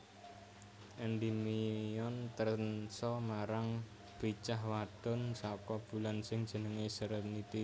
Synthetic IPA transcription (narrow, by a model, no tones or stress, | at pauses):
ʔɛnd̪imiɔnt̪ərnsɔmaɾaŋ | b̥i̤t͡ʃahwaɖ̥ɔ̤nsɔkɔb̥ṳlansɪŋd̥ʒ̥ə̤nəŋesəɾənit̪i